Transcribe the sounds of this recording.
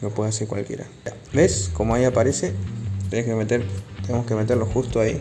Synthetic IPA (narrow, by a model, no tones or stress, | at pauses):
mepweðaseɾkwa̰lkje̞̰ɾa̰ | abeskomoajapaɾeset̪eneskemet̪eɾt̪enemoskemet̪eɾloxust̪oaḭ